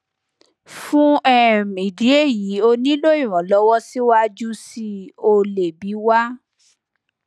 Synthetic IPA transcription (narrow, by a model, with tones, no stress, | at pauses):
fũ˦ɛ˦mĩ˨di˨˦e˦˨ji˨˦o˧nĩ˦lo˦ĩ˦˨ɾ̃ɔ̃˨˦lɔ˨˦wɔ˦si˦wa˦d͡ʒu˦si˧o˧le˨bi˨˦wa˦